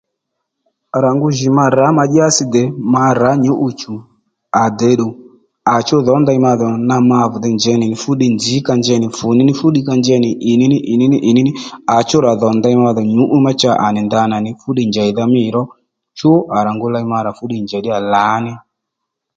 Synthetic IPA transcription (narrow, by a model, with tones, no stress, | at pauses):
a˨ɾa˨ŋɡu˧ʒi˨ma˧ɾa˨˦ma˧d͡ʒi˦a˦si˧d̪ɛ˨ma˧ɾa˨˦ɲu˦ʔu˧t͡ʃu˨ | a˨d̪ɛ˨˦ɗu˨ | a˨t͡ʃo˦ðɔ˨˦nd̪a˧i˧˦ma˧ðɔ˨na˧ma˧vu˨d̪ɛ˧nd͡ʒɛ˧˦nɪ˨nɪ˨fu˦ɗi˧nd͡zi˨˦ka˧nd͡ʒɛ˧nɪ˨fu˨ni˦nɪ˦fu˦ɗi˦˧ka˧nd͡ʒɛ˧nɪ˨ʔɪ˨ni˦nɪ˦ʔi˨ni˦ni˦ʔi˨ni˦nɪ˦a˨t͡ʃo˦ɾa˨ðɔ˨˦nd̪a˧i˧ma˧ðɔ˨ɲu˨˦ʔu˦ma˦t͡ʃa˦˨ʔa˨nɪ˨nd̪a˧na˨nɪ˨fu˦ɗi˧˨nd͡ʒɛ˨i˨ða˧mɪ˦˨ɾɔ˦ | t͡ʃu˦a˨ɾa˨ŋɡu˧la˧i˧˦ma˧ɾa˨fu˦ɗi˧˨nd͡ʒɛ˨ɗi˦a˨la˨˦nɛ˦